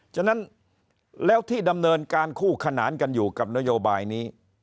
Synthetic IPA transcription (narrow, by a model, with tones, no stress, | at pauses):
t͡ɕʰa˧˥na˦˥n | lɛː˦˥wt̪ʰiː˥˩da˧mnɤː˧nkaː˧nkʰuː˥˩kʰa˧naː˩˦nka˧njuː˨˩ka˨˩p̚na˦˥joː˧baː˧jniː˦˥